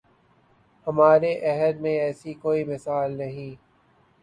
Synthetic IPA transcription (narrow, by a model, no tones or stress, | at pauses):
hɐmaːɾeʔɛɦəd̪mẽɛːsikoːimɪsaːlnɐɦĩː